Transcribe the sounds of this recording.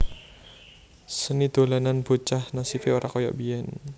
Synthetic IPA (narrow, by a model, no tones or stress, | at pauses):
sənid̪̥o̤lananb̥ot͡ʃahnasifeoɾʔakojɔ̰ʔbiɛn